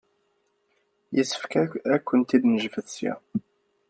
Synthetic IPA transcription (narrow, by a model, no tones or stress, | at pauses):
jəsːə̥fkæækʷːənt̪id̪nəʒfəθsjæ̰